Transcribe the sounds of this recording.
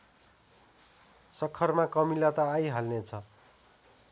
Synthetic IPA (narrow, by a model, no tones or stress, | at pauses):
sʌkʰːʌrmakʌmilat̪ʌːjɦalnet͡sʰʌ